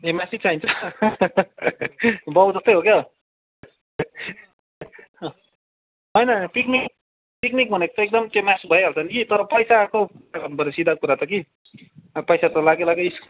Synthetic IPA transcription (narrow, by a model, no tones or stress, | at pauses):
emasit͡saint͡sʰʌ | bʌwd͡zʌst̪ʌjɦokjʌ | ɦʌjnʌpiknik | piknik̚bʱʌnekot̪ʌek̚d̪ʌmkemasbʱʌjɦalt͡sʰʌnkit̪ʌɾʌpʌjsakobʱʌɾesid̪ʱakuɾat̪ʌki | ʌpʌjsat̪ʌlaɡelaɡʌisk